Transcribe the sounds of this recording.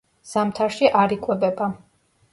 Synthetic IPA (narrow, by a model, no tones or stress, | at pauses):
z̥amt̪ʰaɾʃiʔaɾikʼwɛbɛba